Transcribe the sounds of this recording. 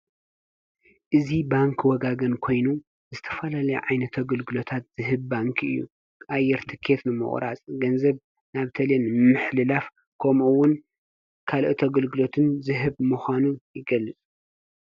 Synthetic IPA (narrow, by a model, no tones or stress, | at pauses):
ʔɨzibaŋkʰwɔɡaɡɐnkʰo̞jnu | zɨt̪ʰɐ̥fɐlalɐjuʕajnɐt̪ʰɐɡɨlɡɨlo̞t̪ʰat̪z̥ɨɦɨβbaŋkʰɨ̰jːṵ | ʔajːɛɾt̪ʰɨkʰe̞t̪nɨmɨ̰χʼɾa̰t͡sʼɡɐnzɐβ | naβt̪ʰɐlenɨmɨħlɨlaf | kʰɐmuwʊn | kʰalʔɨt̪ʰɐɡɨlɡɨlo̞t̪ʰɨnzɨɦɨβmɨxʷanujɪɡɐlːɨt͡sʼ